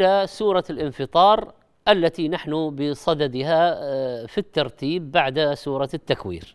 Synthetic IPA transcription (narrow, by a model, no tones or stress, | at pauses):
lasuːɾˤɑlʔɪnfɨt̪ˤɑːɾˤ | ʔalːat̪inaħnʊbɪsˤɑd̪ad̪ɪɦa | fit̪ːɑɾˤt̪iːbːaʕd̪suːɾˤɑt̪ːakwḭːɾ